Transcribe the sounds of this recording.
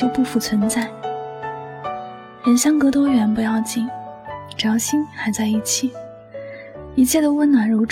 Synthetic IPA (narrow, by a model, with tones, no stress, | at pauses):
jo˥˧ʊpu˥˩fu˥˩t͡sʰwə˧˥nt͡sa˥˩ɪ | ɻə˧˥nɕjɑ˥ŋkɤ˧˥t̪wɔ˥ɥɛ˧˥npu˧˥jɑ˥˧ʊt͡ɕi˥˩nʈ͡ʂjɑ˧˥ʊɕi˥nxa˧˥ɪt͡sa˥˧ɪi˥˩t͡ɕʰi˨˩˦ | i˧˥t͡ɕʰjɛ˥˩d̪ə˩wə˥nnwa˧˥nɻo˧˥ʊʈ͡ʂ